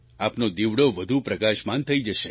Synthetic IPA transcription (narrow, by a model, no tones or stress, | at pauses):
apnod̪iʋɽoʋəd̪ʱupɾəkaʃmant̪ʰəid͡ʒəʃe